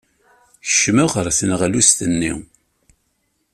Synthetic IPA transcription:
çə̥ʃːməʁəɾˤθənʁalust̪ənːḭ

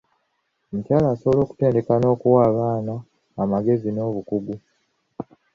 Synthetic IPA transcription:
omucaːlaːso̞βo̞lo̞ːku̥te̞ːnde̞kano̞ːkuwaːβaːnaː | maɡe̞zino̞ːβukuɡu

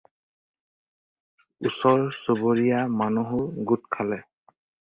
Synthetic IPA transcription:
usɔɹsoboɹijamanuɦʊɡutkʰalɛ

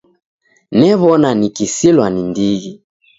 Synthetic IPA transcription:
nɛβɔnanikisilwanindiɣi

